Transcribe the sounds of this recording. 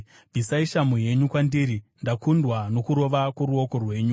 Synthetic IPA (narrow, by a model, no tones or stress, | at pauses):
bʱisaiʃamoje̞ɲukwandiːɾindakundwano̞kuɾo̞ʋakoɾuo̞ko̞rwe̞ːɲu